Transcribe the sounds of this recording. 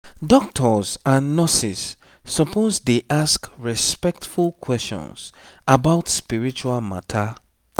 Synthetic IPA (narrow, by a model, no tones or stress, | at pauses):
dɔk̚tʰɔzãnːɔsisː | ɔpʰozdeʔaskɹispɛk̚tfulˠkʰwɛst͡ʃɔ̰̃nsabaʊtspiɹit͡ʃualma̰tʰa